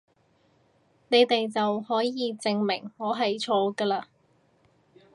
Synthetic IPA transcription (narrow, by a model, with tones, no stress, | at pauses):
ne˨˧jt̪e˨jt͡sɐ˨whɔː˨˥jiː˨˧t͡sɪ˧ŋmɪ̰˨˩ŋŋɔː˨˧˥ɦɐ˨jt͡sʰɔː˧kəː˧laː˧